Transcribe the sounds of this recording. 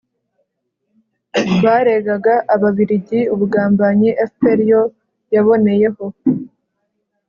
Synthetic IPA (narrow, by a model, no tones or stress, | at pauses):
βaːɾe̞ɡaɡaʔːβaβiɾiɟiuβuɡaːmbaɲiʔefteɾijo | jaβo̞ne̞je̞ho̞